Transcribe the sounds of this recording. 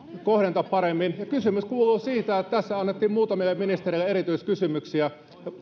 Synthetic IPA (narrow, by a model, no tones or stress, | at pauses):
kohɾent̪ɑppɑɾemːinjɑkysymyskuːluːsiːt̪æet̪t̪æsːæɑnːet̪ːiːmmuːt̪ɑmiɑminist̪ereilæeɾit̪yiskysymyksiæ | jɑ